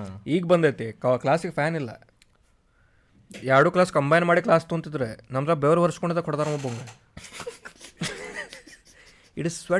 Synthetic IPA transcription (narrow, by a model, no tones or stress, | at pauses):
iːɡbɐnd̪eːt̪ikklaːsikpʰaːnilːɐ̰ | jaːɽuːklaːskɐmbɐjnmaːɽiklaːst̪ːunt̪id̪ɾenɐmt̪ɾabeʋɾɐʋɐɾiskoɳɖid̪ɐkɔɽd̪aːɾɐmɐboŋɡe | iʈizsʋe